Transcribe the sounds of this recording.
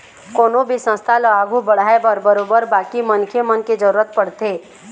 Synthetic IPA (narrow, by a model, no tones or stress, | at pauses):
koːnõbʱisə̃st̪ʰaləaːɡʱubɐɽ̤aːebəɾbəɾoːbəɾbaːkimɐnkʰemənked͡ʒəɾuːɾət̪̚pɐɽt̪eː